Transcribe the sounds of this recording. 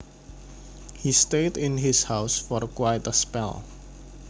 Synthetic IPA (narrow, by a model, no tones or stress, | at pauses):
histetɪ̃nɦɪshawʊsfɔrkwajtəspɛ̰l